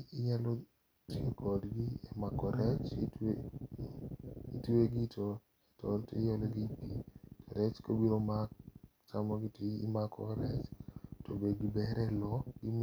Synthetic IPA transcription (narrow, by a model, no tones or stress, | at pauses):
iɲalɔ | tiekʰɔdɡiɛ̰makɔɾɛt͡ʃt | ḭteɡitʰɔ | ɛtɔtejɔlɔɡipitɔɾɛt͡ʃkobiɾomak̚ | t͡ʃamɔɡɪtiḭmakʰɔ̰ɾɛt͡ʃtobedɡibɛɾɛlɔɡi